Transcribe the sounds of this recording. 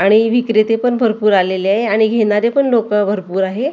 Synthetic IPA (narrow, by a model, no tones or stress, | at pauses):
aɽ̃iʋikɾet̪epəɳbʱəɾpuːɾaleleaɦeaɽ̃iɡʱeɽaɾepəɳlokəbʱəɾpuːɾaɦe